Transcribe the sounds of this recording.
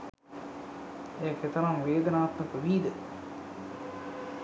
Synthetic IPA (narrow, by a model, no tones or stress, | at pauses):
ejəket̪əɾamʋeːd̪ənaːt̪məkəʋiːd̪ə